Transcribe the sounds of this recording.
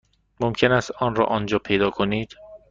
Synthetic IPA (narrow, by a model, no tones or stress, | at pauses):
momcʰe̞næst̪ɒːnɾɒ̰ʔɒnd͡ʒɒːpʰe̞jd̪ɒːkʰoniːd̪̥